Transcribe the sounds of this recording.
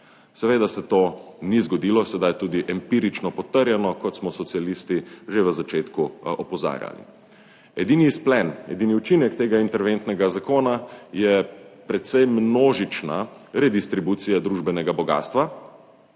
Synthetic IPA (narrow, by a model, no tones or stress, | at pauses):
sɛʋeːd̪asɛt̪oːnizɡɔd̪ilɔsɛd̪ajt̪uːd̪iʔɛmpiɾit͡ʃnɔpɔt̪əɾjɛnɔkɔt̪smɔsɔt̪sialist̪iʒeʋəzat͡ʃeːt̪kuɔpɔza̰ːɾja̰lḭ | ɛd̪iːnisplɛnɛ̰d̪iːniut͡ʃinɛkt̪eːɡaint̪ɛɾʋent̪nɛɡazakoːnajɛpɾɛt̪sɛjmnoːʒit͡ʃna̰ | ɾɛd̪ist̪ɾibuːt̪sijad̪ɾuʒbɛnɛɡabɔɡa̰ːst̪ʋa